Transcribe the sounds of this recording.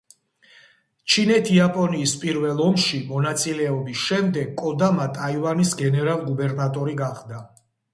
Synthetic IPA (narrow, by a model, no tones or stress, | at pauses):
t͡ʃʰinɛt̪ʰiapʼɔniːspʼiɾvɛlˠɔmʃimɔnat̪sʼilɛɔbisʃɛmd̪ɛɡkʼːɔd̪amat̪ʼaivanisɡɛnɛɾalˠɡubɛɾnat̪ʼɔɾiɡaχd̪a